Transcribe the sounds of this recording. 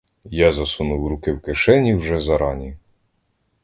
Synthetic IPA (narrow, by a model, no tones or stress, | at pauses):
jazɐsunuwɾukɪwkɪʃɛnʲiwʒɛzɐɾɑnʲi